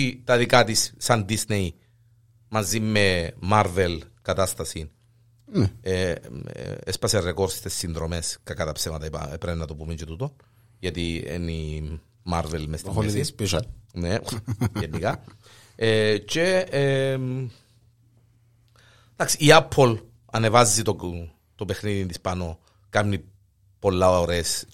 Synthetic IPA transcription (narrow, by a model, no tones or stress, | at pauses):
it̪ɐðikɐt̪isːɐnd̪isnei | mɐzimːemaɾvelkɐt̪ɐst̪ɐsin | e | espɐserekoɾsst̪esːinðɾomeskɐkɐt̪ɐpsemɐt̪ɐipɐ̰epɾenːɐt̪opumet͡ʃet̪ut̪on | ʝɐt̪iḛni | maɾvelmest̪sipiʃneenːikɐ | et͡ʃe | t̪aksiːɐpʰːol | ɐnevɐzːit̪o | t̪opexniðint̪ispɐno̞ | kɐmni | po̞lːɐoɾes